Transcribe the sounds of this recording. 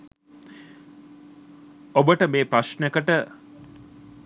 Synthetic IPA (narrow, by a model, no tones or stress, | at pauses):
obəʈəmeːpɾasnekəʈə